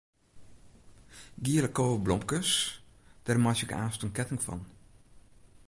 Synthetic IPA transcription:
ɡiələkːoːəblɔmkəsd̥ɛrmasɪka̰ːstənkɛtɪŋfɔ̰n

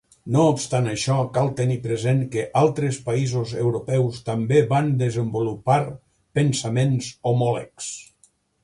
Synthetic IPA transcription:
noːpst̪anəʃɔkalˠt̪ənipɾəzeŋkəʔalˠt̪ɾəspəizozḛwɾupɛwst̪əmbeβand̪əzəmbulupaɾ | pənsəmenzomɔlə̰ks

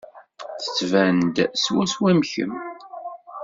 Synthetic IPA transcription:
θə̥t͡sːvænd̪swæswæmçə̰m

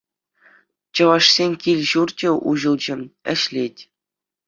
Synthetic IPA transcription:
t͡ɕɤ̆ʋɑʂsʲenʲkʲilʲʑurt͡ɕʲĕʔṵʑɤ̆lˠd͡ʑɘ̆mɘ̆ɕlʲetʲ

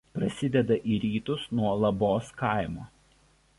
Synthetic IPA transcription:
pɾɐsʲɪd̪ʲɛd̪ɐʔiːɾʲiːt̪ʊsnuɔlˠɐboːskɑˑɪmoː

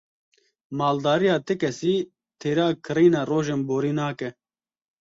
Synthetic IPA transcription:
maːld̪aːɾijaːt̪ekɛsiː | t̪ʰeːɾaːkʰɨɾiːnaːroːʒeːnboːɾiːnaːkɛ

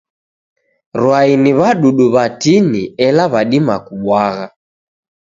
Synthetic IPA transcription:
ɾwainiβaɗuɗuβatiniɛlaβaɗimakuɓwaɣa

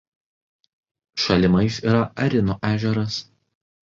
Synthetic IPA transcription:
ʃɐlʲɪmɐɪsiːɾɐɐɾʲɪnoːʔæːʒʲɛɾɐs

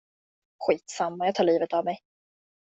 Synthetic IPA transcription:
ɧiːt̪samːajɑːt̪ʰɑːɭiːvət̪avmɛj

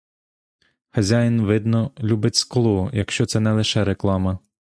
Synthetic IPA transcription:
xɐzʲajɪnʋɪd̪nɔlʲubɪtʲsklˠɔjɐkʃt͡ʃɔt̪sɛnɛlˠɪʃɛɾeklˠɑmɐ

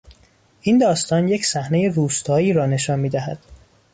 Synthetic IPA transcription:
ʔind̪ɒːst̪ɒːnjecʰsæhne̞je̞ruːst̪ʰɒːiːɾɒːne̞ʃɒːnmiːd̪æhæd̪̥

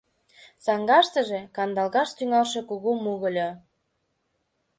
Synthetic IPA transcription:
t͡sɑŋɡɑʃt̪ə̆ʒekɑnd̪ɑlɣɑʃt̪yŋɑlʃe̽kuɣomuɣə̆lʲo

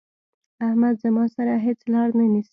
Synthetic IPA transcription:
ahmad̪zəmɑsaɾaɦet͡slɑɽnanisi̥

